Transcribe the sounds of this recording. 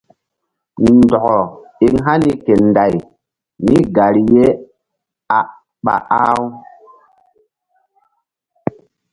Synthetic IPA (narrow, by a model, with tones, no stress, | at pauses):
ni˨ndɔ˨ɡɔ˨i˦ŋɦa˦ni˦ke˨nda˨j | ni˦ɡa˨ɾi˨je˦ | a˨ | ɓa̰˨ʔa˦w